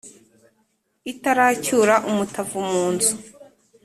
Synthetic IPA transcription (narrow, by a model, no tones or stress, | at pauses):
itaɾacuːɾaʔumutʰavumuːnzu